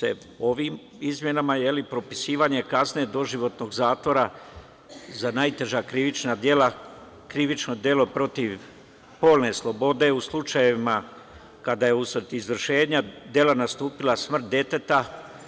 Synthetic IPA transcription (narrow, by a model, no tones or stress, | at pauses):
sḛ | o̞ʋiːm | izmje̞namajelipɾo̞pisiːʋaɲe̞kazne̞d̪o̞ʒiʋo̞t̪no̞ɡzaːt̪ʋo̞ɾa | zanajt̪e̞ʒakɾiʋit͡ʃnad̪je̞la | kɾiʋit͡ʃno̞d̪je̞lo̞pɾo̞t̪iʋ | po̞ːlˠne̞slˠo̞bo̞d̪e̞uslˠut͡ʃajeʋima | kad̪aje̞usʋr̩t̪izʋr̩ʃe̞ːɲad̪je̞lanast̪uːpilˠasmr̩t̪̚d̪je̞t̪e̞t̪a